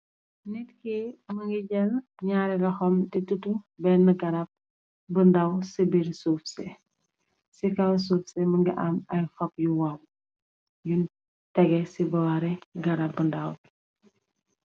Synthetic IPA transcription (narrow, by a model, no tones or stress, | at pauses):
nit̚kiməŋɡiɟɛlɲaːɾɛɡɐxɔmtɛtutubɛnəɡɐɾɐp̚ | bəndɐwsibiɾsufsɛ | sikɐws̬uːfsɛməŋɡiʔamɐjfɐpjuwɐw | jun | tɛɡɛsibɐwaɾɛɡɐɾɐb̚bəndɐw